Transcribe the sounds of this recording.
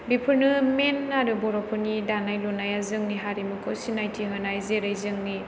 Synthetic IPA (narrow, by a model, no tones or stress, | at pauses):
bipʰɯɾnɯmenːaɾɯbɔɾɔpʰɯnidanajlɔnajazɯŋniɦaɾimɯkʰɯwsinajtʰiɦɯnajzeɾajzɯŋni